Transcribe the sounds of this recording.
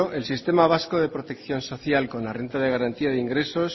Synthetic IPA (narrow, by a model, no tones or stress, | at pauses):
oe̞lsist̪e̞maβ̞askoðe̞pɾot̪e̞kθjo̞nso̞θjalko̞nlare̞nt̪að̞eɣ̞aɾant̪iaðiŋɡɾe̞so̞s